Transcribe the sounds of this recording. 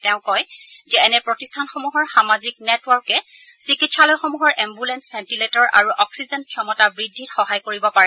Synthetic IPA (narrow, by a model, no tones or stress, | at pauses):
tɛʊ̃kɔjzɛɛnɛpɹɔtistʰanxomuɦɔɹxamaziknɛtwɔɹkɛ | sɹikitsalɔjxɔmuɦɔɹʔɛmbulɛnsbʰʱɛntiletɔɹʔa̰ɹuʔɔksizɛnt̚kʰiɔmɔtabɹidʱːitxɔɦajkoɹibɔpaɹɛ